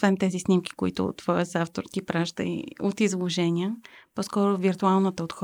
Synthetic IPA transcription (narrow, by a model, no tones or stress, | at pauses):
ovɛmt̪ɛzisnʲimk̟i̥koit̪ʊ̰t̪ːvɔjəzaft̪oɾk̪ʲipɾaʒd̪ə̰ḭot̪izlˠoʒɛnʲiəpɔskɔɾʊviɾt̪ualˠnət̪əot̪x